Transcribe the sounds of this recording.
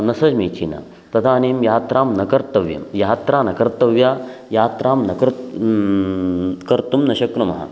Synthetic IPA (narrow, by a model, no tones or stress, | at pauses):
nɐsɐd͡ʒmiːt͡ʃina̰ | t̪ɐt̪ʰaːniːmjaːt̪ɾaːmnɐkɐɾt̪ɐʋjɐ̰mjaːt̪ɾaːnɐkɐɾt̪ɐʋjaːjaːt̪ɾaːmnɐkɐɾ | kɐɾt̪umnɐɕɐkɾɐmɐ̰ɦɐ̰